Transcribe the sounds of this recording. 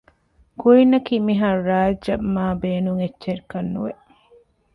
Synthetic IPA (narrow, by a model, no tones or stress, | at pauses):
kuinːɐkimiɦɐɾaːɐbmaːbeːnuŋetːʃeɾikɐnːuʋeʔ